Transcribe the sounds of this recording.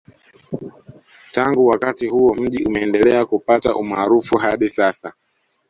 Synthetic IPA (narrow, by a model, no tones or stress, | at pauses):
taŋɡuwakatihuɔm̩ʄiʔumɛːndɛlɛakupataʔumaːɾufuɦaɗisasa